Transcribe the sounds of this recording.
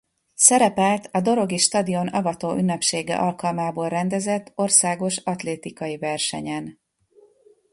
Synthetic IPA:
sɛɾɛpɛlt̪ɒd̪o̞ɾo̞ɡiʃt̪ɒd̪io̞nɒvɒt̪oːʔynːɛpʃeːɡɛ̰ʔɒlkɒlmaːboːlrɛnd̪ɛzɛt̪ːo̞rsaːɡo̞ʃɒt̪leːt̪ikɒjivɛrʃɛ̰ɲɛn

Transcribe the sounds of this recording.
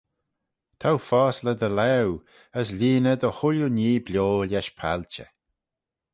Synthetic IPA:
t̪ʰawfɔːsləd̪əlɛw | əs̬lʲiːnəd̪əhʊljuniːblʲjoːljɛʃpʰa̰lt͡ʃə̰

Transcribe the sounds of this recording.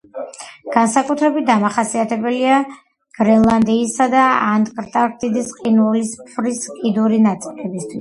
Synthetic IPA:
ɡ̥ansakʼut̪ʰɾɛbit̪̚d̪amaχasiat̪ʰɛbɛlia | ɡ̥ɾɛnlˠand̪iːsad̪aand̪ʼkʼɾt̪ʼaɾt̪ʼid̪isqʼinɛlispʰɾiskʼid̪uɾinat̪sʼi̥lɛbist̪ʰwiss

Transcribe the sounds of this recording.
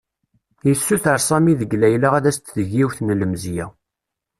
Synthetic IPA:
jisːuθəɾsˤɑmiðəɡlæjlaʁæðæst̪ðəʝːiwθnləmzjæ

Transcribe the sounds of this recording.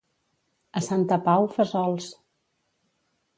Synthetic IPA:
əsant̪əpawfəzɔlˠs

